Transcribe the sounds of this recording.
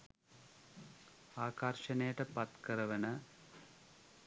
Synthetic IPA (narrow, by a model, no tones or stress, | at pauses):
aːkɐrʂɐnejɐʈɐpɐt̪kɐɾɐʋɐnɐ